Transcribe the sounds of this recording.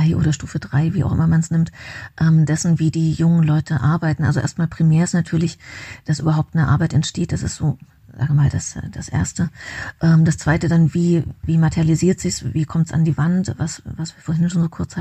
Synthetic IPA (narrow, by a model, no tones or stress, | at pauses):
aɪʔo̰ːɾɐʃtuːfədʁaɪviːʔa̰ʊxʔɪ̰mɐmansnɪmtʔɛːmd̥ɛsn̩viːdiːjʊŋənlɔʏtʰəʔaɐbaɪtn̩ʔa̰lzoʔḛːɐstmaːlpʁ̥imeːɐɪstnatʰyːɐlɪçd̥asʔyːbɐɦaʊp̚t̚nəʔa̰ɐbaɪtɛntʃteːt̚d̥asɪ̰stoː | z̥a̰ːɡəmaːldasd̥asʔḛːɐstəʔɛːmdast͡sv̥aɪtədanviːviːmatʰɛʁjaliziːɐtz̥ɪçsviːkʰɔmtsʔa̰ndiːvantvasvasv̥iːɐfoɐɦɪnʃoːnzoːkʰʊɐt͡sha